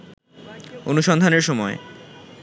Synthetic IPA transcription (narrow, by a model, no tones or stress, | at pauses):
onuʃɔnd̪ʱaneɾʃɔmɔe